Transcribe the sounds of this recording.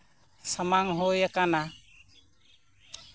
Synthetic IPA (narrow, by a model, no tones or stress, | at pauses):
samaŋɦojakana